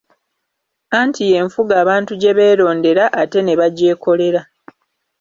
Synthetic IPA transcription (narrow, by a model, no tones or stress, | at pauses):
aːntʰije̞ɱfuɡaːβaːntuɟe̞βe̞ːɾo̞ːnde̞ɾaʔate̞ne̞βaɟe̞ːko̞le̞ɾa